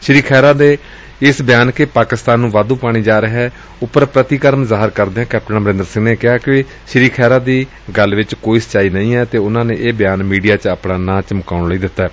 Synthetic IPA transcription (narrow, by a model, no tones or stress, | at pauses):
ʃɾiːkʰɛːɾaːd̪eː | ɪsbɪjaːnkepaːkɪst̪aːnːũːʋaːd̪ũːpaːɽ̃iːd͡ʒaːɾəɦɛː | ʊpːəɾpɾət̪iːkəɾmzaːɦəɾkəɾd̪eːãːkɛːp̚ʈənaːməɾɪ̃nd̪əɾsɪ̃ŋneːkɪaːkɪ | ʃɾiːkʰɛːɾaːd̪iː | ɡəlʋɪt͡ʃkoːiːsə̥t͡ʃaːiːnəĩːɛːt̪eːʊnãːneːʔeːbɪjaːnmiːɖijaːt͡ʃaːpɽãːnãːt͡ʃəmkaːʊɳliːd̪ɪt̪ːaɛː